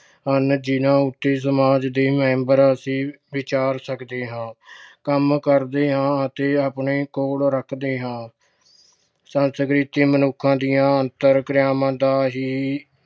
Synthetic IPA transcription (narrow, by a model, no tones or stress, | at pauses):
ɦənd͡ʒɪnãːʊt̪ːeːs̬əmaːd͡ʒd̪eːmɛ̃ːmbəɾəsĩː | ʋɪt͡ʃaːɾsəkd̪eːɦãːkəmkəɾd̪eːɦãːət̪eːapɳeːkoːlɾəkʰd̪eːɦãː | sənsəɡɾiːt̪iːmənʊkʰːãːd̪ijãːənt̪əɾkɾɪjaːmãːd̪aːɦiː